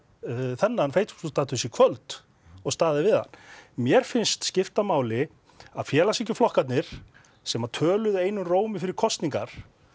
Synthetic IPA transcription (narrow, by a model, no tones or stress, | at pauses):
θɛnːanfejt̪su̥sust̪aːt̪ʏsikʰvœlt̪ | ɔɣst̪aːðɪvɪða̰nːmjɛɾ̥fɪnst̪scɪft̪amaːwlɪ | aðfjɛːlasɛhcɪflɔhkat̪nɪɾ̥ | sɛmat̪ʰœːlʏðeːjnʏmroːwmɪfɪɾɪɾ̥kʰɔst̪niŋkaɾ̥